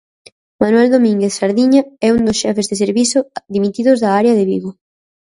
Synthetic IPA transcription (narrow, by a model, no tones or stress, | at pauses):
manwɛld̪omiŋɡeθsaɾðiɲaɛund̪osʃɛfezðes̬eɾβiθʊðimit̪iðʊzðaaɾeɐðeβḭɣo